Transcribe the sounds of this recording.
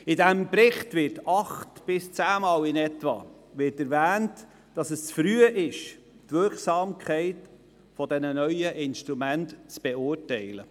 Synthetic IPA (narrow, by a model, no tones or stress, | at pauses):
ɪdæmpɾɪχtʋɪtɑχtb̥ɪst͡sæːmɑːlɪnɛtʋɑ̰ | ʋɪtɛɾvæːnt | d̥ɑsəst͡sfɾyəʔɪʃ | tvʏɾχsɑːmkʰɛɪt | fɔdɛnənœʏəʔɪnʃtɾumæntt͡sb̥ɛʊːɾtɛɪlə̰